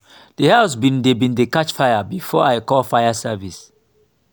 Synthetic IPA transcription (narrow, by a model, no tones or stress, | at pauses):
d̥ehaʊs̬bĩndebĩndekat͡ʃfajabifɔaɪkɔlfaɪjasɛvis